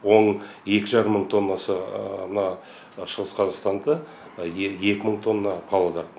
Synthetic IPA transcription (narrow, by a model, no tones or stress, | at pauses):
wo̞ɴ | je̞kʲɪʒɑɾəmːəɴt̪ʰo̞nːɑsəmnɑ | ʃəʁəsqʰɑzɑqst̪ɑnd̪ə | je̞kʲɪməɴt̪ʰo̞nːɑqʰɑlˠod̪ɑɾt̪